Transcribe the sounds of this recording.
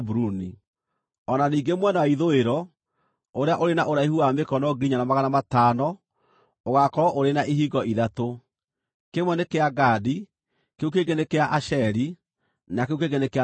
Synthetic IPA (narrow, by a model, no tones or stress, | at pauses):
buɾuni | ɔnaniːŋɡemwɛnawaiðoeɾɔ | oɾeaʔoɾenaʔoɾaihuamekɔnɔɡiɾiɲanamaɣanamataːnɔ | oɣakɔɾɔʔoɾenaʔiɦiɡɔʔiðato | kemwɛnekeaɡadi | keukeɡenekeaʔaʃɛɾi | nakeukeɡenekea